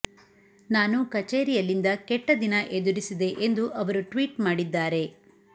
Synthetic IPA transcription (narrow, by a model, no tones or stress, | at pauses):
naːnukɐt͡ʃeːɾijɐlːind̪ɐkɛʈːɐd̪inɐʔed̪uɾisid̪e̞ʔend̪uʔɐʋɐɾuʈʋiːʈmaːɽid̪ːaːɾe̞